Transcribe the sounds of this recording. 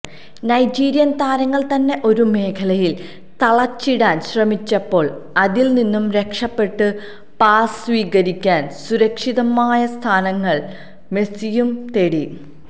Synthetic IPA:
nɐjd͡ʑiːɾjɐnt̪aːɾɐŋːɐɭt̪ɐnːe̞ʔo̞ɾume̞ːkʰɐlɐjil | t̪ɐɭɐt͡ɕːiɽaːnɕrɐmit͡ɕːɐpːo̞ːɭɐðilninːumɾe̞kʂɐpːe̞ʈːɨ | paːsʋiːɣɐɾikʲːaːnsuɾɐkʂiðɐmaːjɐst̪ʰaːnɐŋːɐɭ | me̞sijumt̪e̞ɽi

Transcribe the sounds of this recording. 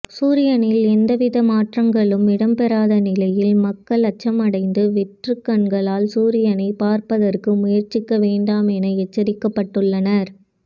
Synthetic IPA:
suːɾɪjɐnɪlɛnd̪ɐʋɪðɐmaːʈrɐŋɡɐɭɯmɪɽɐmpɛɾaːðɐnɪlɐjɪlmɐkːɐɭɐt͡ʃːɐmɐɽɐɪnd̪ɯʋɪʈrɯkːɐɳɡɐɭaːlsuːɾɪjɐnɐɪpaːɾpɐðɐrkɯmʊjɐɾt͡ʃɪkːɐʋeːɳɖaːmɛnɐɛt͡ʃːɐɾɪkːɐpːɐʈːɯɭːɐnɐɾ

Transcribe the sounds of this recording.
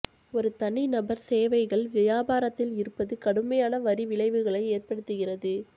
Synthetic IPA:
ɔɾɯt̪ɐɳːinɐbɐɾseːʋɐɪɣɐɭʋɐjaːbaːɾɐt̪ːɪlɪɾɯpːɐðɯkɐɽɯmɐjaːnɐʋɐɾɪʋɪɭɐɪʋɯɣɐɭɐɪeːrpɐɽɯt̪ːɯɣɪrɐðɯ

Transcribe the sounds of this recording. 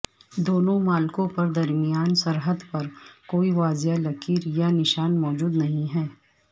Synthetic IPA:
d̪oːnõmaːlkõpɐɾd̪ɐɾmɪjaːnsɐɾɦəd̪pɐɾkoːiʋaːzjalɐkiːɾjanɪʃaːnmɔːd͡ʒuːd̪nɐɦĩɦɛː

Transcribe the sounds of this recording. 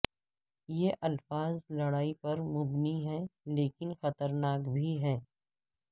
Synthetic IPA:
jeʔɐlfaːzlɐɽaːipɐɾmʊbniɦɛleːkɪnxɐt̪əɾnaːkbʱiɦɛː

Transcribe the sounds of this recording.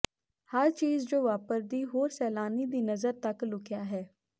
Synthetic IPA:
həɾt͡ʃiːzd͡ʒoːʋaːpəɾd̪iːɦoːɾsɛːlaːniːd̪iːnəzəɾt̪əklʊkɪjaːɦɛː

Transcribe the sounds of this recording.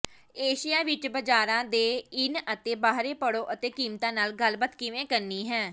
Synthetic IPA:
eːʃijaːʋɪt͡ʃbəd͡ʒaːɾãːd̪eːɪnət̪eːbaːɦɾeːpəɽoːʔət̪eːkiːmt̪ãːnaːlɡəlbət̪kɪʋẽːkəɾniːɦɛː

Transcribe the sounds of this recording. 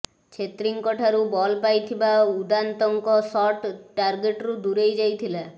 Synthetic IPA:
t͡ʃʰet̪ɾiŋkɔʈʰaɾubɔlpajt̪ʰibaud̪ant̪ɔŋkɔsɔʈʈaɾɡeʈɾud̪uɾejd͡ʒajt̪ʰila

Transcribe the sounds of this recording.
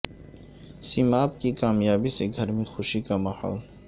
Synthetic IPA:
simaːp̚kikaːmjaːbiseɡʱɐɾmẽxʊʃikamɐha̰ːl

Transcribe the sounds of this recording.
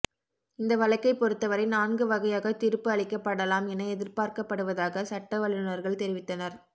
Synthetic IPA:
ɪnd̪ɐʋɐɭɐkːɐɪpːɔɾɯt̪ːɐʋɐɾɐɪnaːnɡɯʋɐɣɐjaːɣɐt̪ɪɾɯpːɯɐɭɪkːɐpːɐɽɐlaːmɛnɐɛðɪɾpaːɾkɐpːɐɽɯʋɐðaːɣɐsɐʈːɐʋɐɭɪnɯnɐɾɣɐɭt̪ɛɾɪʋɪt̪ːɐnɐɾ

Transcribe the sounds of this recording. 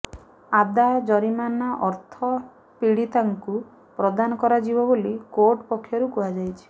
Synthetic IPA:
ad̪ad͡ʒɔɾimanaʔɔɾt̪ʰɔ | piɽit̪aŋku | pɾɔd̪anɔkɔɾad͡ʒibɔbolikoɾʈpɔkʰːjɔɾukuɦad͡ʒajt͡ʃʰi̥

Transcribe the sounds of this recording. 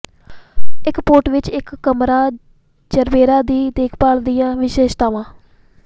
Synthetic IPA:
ɪkpoːʈʋɪt͡ʃɪkːəmɾaː | d͡ʒəɾbeːɾaːd̪iːd̪eːkʰpaːld̪ijãːʋɪʃeːʃt̪aːʋãː

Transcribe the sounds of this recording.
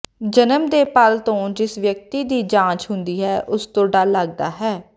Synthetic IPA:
d͡ʒənəmd̪eːpəlt̪õːd͡ʒɪsʋjək̚t̪iːd̪iːd͡ʒãːt͡ʃɦʊnd̪iːɦɛːʔʊst̪õːɖalːəɡ̚d̪a̰ːɦɛː

